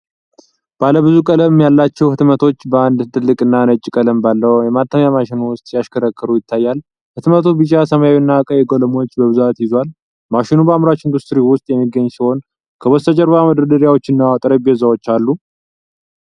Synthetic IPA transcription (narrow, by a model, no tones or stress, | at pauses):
b̥aləβɨzukʼələmmjalːat͡ʃːɛwhɨt̪mət̪ʰo̞t͡ʃːbəand̪t̪ʰʼɨlːɨkʼɨnːanət͡ʃʼːikʼələmbalːəwjɛmat̪ʰːəmjamaʃɪnuwʊst̪ʼjaʃkʰəɾəkːɨɾujɪt̪ʰːajːal | hɨt̪mət̪ʰobɨt͡ʃːasəmajawnːakʼəjɛɡoləmo̞t͡ʃːbəβɨzuat̪jɪzwal | maʃɪnubəamɾat͡ʃind̪ust̪ɾiwʊst̪ʼjɛmːiɡːəɲːsiho̞n | kʰəwɔst̪ʰəd͡ʒəɾbaməd̪ɾəd̪əɾijawo̞t͡ʃːɨnːawat̪ʼɾebiɛzawo̞t͡ʃːalːu